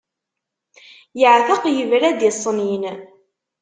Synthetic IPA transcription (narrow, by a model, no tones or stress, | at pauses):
jəʕθəqjəvɾæd̪ɪsˤːnin